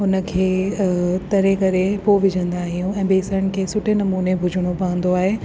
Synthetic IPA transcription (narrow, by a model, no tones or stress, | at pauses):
ʊnə̆kʰeː | t̪ɐɾekɐɾepoʋɪd͡ʑʱə̃nd̪aːɦijũɛ̃ːbeːsəɾəɽ̃̆kʰeːsʊʈʰenɐmuːnebʱʊd͡ʑʱəɽ̃opɐə̃nd̪oaːɦe